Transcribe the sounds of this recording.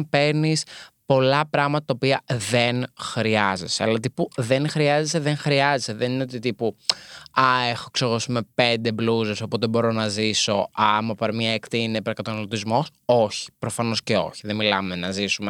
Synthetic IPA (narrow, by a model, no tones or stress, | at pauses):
pe̞ɾnispo̞lɐpɾɐɣmɐt̪ɐt̪ɐopiɐðenxɾiɐze̞seɐlɐt̪̬ipuðe̞nxɾiɐze̞seðe̞ŋxɾiɐzese̞ðenineo̞t̪it̪ipu | ɐe̞xoksoɣosumepe̞nd̪e̞bluzeso̞po̞t̪e̞bo̞ɾo̞nɐziso̞ɐmɐpɐɾmiɐekt̪iinepɾɐkɐt̪ɐnɐlot̪izmo̞so̞çi̥pɾo̞fɐno̞sce̞o̞̰çiðemilɐmenɐzisume